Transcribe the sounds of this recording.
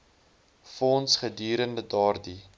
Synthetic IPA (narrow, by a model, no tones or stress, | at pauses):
fɔnsχədiːɾəndədɑːrdi